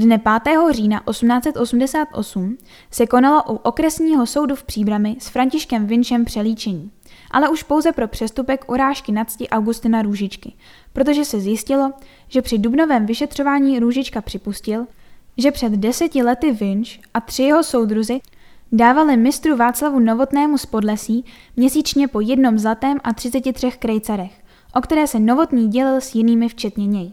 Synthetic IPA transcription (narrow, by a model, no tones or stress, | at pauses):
dnɛpaːt̪ɛːɦo̞riːnaʔo̞sumnaːt͡sɛt̪ʔo̞sumdɛsaːt̪ʔo̞̰sum | sɛko̞nalo̞ʔuʔo̞kɾɛsɲiːɦo̞so̞wdufpr̥iːbɾamɪsfɾaɲcɪʃkɛmvɪnʃɛmpr̥ɛliːt͡ʃɛɲiː | ʔa̰lɛʔuʃpo̞wzɛpɾo̞pr̝̥ɛst̪upɛkʔoɾaːʃkɪnat͡scɪʔawɡust̪ɪnaɾuːʒɪt͡ʃkɪ | pɾo̞t̪o̞ʒɛsɛzjɪscɪlo̞ | ʒ̥ɛpr̝̥ɪdubno̞vɛːmvɪʃɛt̪r̝̥o̞vaːɲiːɾuʒɪt͡ʃkapr̝̥ɪpuscɪlʒɛpr̥ɛd̪dɛsɛcɪlɛt̪ɪvɪnʃʔat̪r̥ɪjɛɦo̞so̞wd̪ɾuzɪ | daːvalɪmɪst̪ɾuvaːt͡slavuno̞vo̞t̪nɛːmuspo̞dlɛsiːmɲɛsiːt͡ʃɲɛpo̞jɛdno̞mzlat̪ɛːmʔat̪r̥ɪt͡sɛcɪt̪r̥ɛxkɾɛjt͡saɾɛx | ʔo̞kt̪ɛɾɛːsɛno̞vo̞t̪ɲiːɟɛlɪlsjɪniːmɪft͡ʃɛt̪ɲɛɲɛj